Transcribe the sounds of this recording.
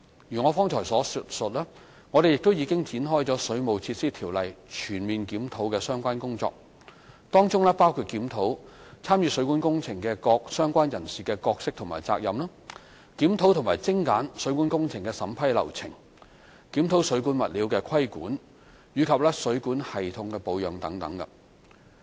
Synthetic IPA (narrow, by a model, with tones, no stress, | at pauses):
jyː˨˩ŋɔː˨˧fɔː˥ŋtʰɔː˨˩jsɔː˨˥st̚sɵ˨t̚lɛː˥ | ŋɔː˨˧ɾe˨jɪ˨kt̪o˥wjiː˨˧kɪ˥ŋt͡siː˨˥nɦɔː˥jt͡sɔː˨˥sɵ˨˧˥ɥmo˨˧wt͡sʰiː˧t̚siː˥t̪ʰiː˨˩wlɐ˨jt͡ʃʰyː˨˩nmiː˨nkiː˨˥mt̪ʰo˨˥wkɛː˧sœː˥ŋkʷaː˥nkʊ˥ŋt͡sɔ̰ː˧k̚ | t̪ɔː˥ŋt͡sʊ˥ŋlɛ˥paː˥wkʰuː˧t̚kiː˨˥mt̪ʰo˨˥wt͡sʰaː˥mjyː˨˧sɵ˨˥ɥkuː˨˥nkʊ˥ŋt͡sʰɪ˨˩ŋkɛː˧kɔː˧k̚sœː˥ŋkʷaː˥njɐ˨˩nsiː˨˩kɛː˧kɔː˧k̚sɪ˥k̚t̪ʰma̰ː˨˩jt͡sa̰ː˧k̚jɐ̰˨mlɐː˥ | kiː˨˥mt̪ʰo˨˧˥wt̪ʰʊ˨˩ŋmaː˨˩jt͡sɪ˥ŋkaː˨˥nsɵ˨˥ɥkuː˨˥nkʊ˥ŋt͡sʰɪ˨˩ŋkɛ˧sɐ˨˧˥mpʰɐ˥jlɐ̰˨˩wt͡sʰɪ˨˩ŋ | kiː˨˥mt̪ʰo˨˥wsɵ˨˥ɥkuː˨˥nmɐ˨t̚liː˨˥wkɛː˧kʰɐ˥jkṵː˨˥n | jyː˨˧kʰɐ˨p̚lɛː˥sɵ˨˥ɥkuː˨˥nhɐ˨jt̪ʰʊ˨˧ŋkɛ˧po˨˧wjœː˨˩ŋt̪ɐ˨˥ŋt̪ɐ̰˨˥ŋkɐ̰˧